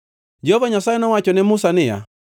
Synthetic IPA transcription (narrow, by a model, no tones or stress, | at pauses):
d͡ʒɛhɔvaɲasaɛnɔwat͡ʃɔnɛmusanɪja̰